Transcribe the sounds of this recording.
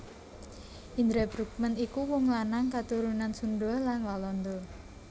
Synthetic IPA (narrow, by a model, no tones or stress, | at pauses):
ʔind̪ɾɛbɾuk̚mənikuwɔŋlanaŋkat̪uɾunansund̪ɔlanwalɔnd̪ɔ